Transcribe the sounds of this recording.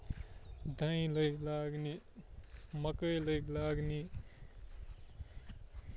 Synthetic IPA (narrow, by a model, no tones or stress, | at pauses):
d̪ʱãĩlʌjklaɡni | mʌkʌjlʌjklaɡni